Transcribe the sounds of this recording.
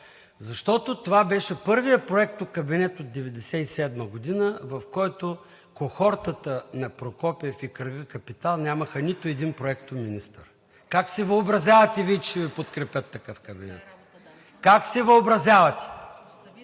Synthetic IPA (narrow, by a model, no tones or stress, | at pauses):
zɐʃt̪ɔt̪ot̪ovabɛʃɛpɤɾvijəpɾoɛk̚t̪okɐbinɛt̪od̪̚ːɛvɛd̪ɛsɛisɛd̪məɡʊd̪inəvɐfkɔjt̪o | koxɔɾt̪ət̪ənɐpɾokɔpɛfikɾəɡəkɐpit̪alˠnʲamɐxənit̪oɛd̪inpɾoɛkt̪ominist̪ə̰ɾ | kaksɛvəobɾɐzʲavɐt̪ɛvit͡ʃɛvipot̪kɾɛpʲət̪ːɐkɤfkɐbḭnɛ̰t̪ | kaksɛvəobɾɐzjavɐt̪ʲɛ̥